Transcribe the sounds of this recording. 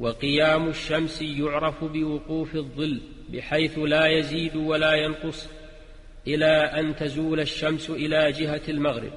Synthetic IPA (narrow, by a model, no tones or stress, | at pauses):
wɑqɨjaːmʊʃːamsjʊʕɾˤɑfbɪwʊquːfɪðˤːɨlː | bɪħajθlaːjaziːd̪walaːjɑnqʊsˤ | ʔɪlaːʔant̪azuːlaʃːamsʔɪlaːd͡ʒɪɦaalmaɣɾɪ̰b̚